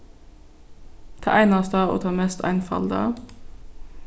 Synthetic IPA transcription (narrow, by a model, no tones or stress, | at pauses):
t̪ʰɑ̰ːʔæɪnɑst̪ɑːo̰ːt̪ʰɑːmɛst̪ʰæ̰ɪnfɑ̰ld̪ɑ̰